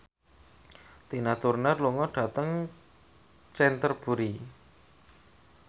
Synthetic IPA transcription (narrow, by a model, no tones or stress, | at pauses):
t̪inat̪urnərluŋɔɖ̥a̤t̪əŋ | t͡ʃɛnt̪ərb̥uɾi